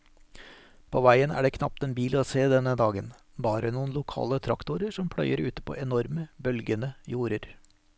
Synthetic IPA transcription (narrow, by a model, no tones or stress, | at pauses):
pʰoːʋæɪənæ̰ːɖeːkʰnɑp̚t̪ɛnbiːloːseːd̪ɛnəd̪ɑːɡən | bɑːɾənuːnlʊkʰɑ̰ːlət̪ʰɾɑkt̪ʊɾəʂɔmpʰɽœʏəɾʉːt̪ə̥pʰo̰ːʔɛnɔɾməbœlɡənəjuːɾəɾ